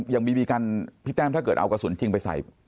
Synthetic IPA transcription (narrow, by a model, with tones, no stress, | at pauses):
jaː˨˩ŋmiː˧biː˧ka˧npʰi˦˥t̪̚ːɛː˥˨t̪ʰa˥˩kɤː˨˩t̪ʔa˧wka˧˩su˨˩˦nt͡ɕʰi˧ŋpa˧jsa̰˨˩j